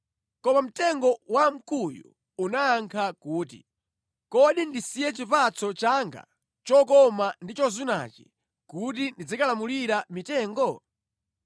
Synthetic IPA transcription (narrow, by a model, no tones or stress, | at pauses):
kɔmam̩tɛŋɡɔwam̩kujṵ | unaːŋkʰakuːtḭ | kɔɗindisijɛt͡ʃipat͡sʰɔt͡ʃaŋɡa̰ | t͡ʃɔk̬ɔmandit͡ʃɔzuna̰t͡ʃi̥̰ | kut̬indid͡zikalamuliɾamitɛːŋɡɔ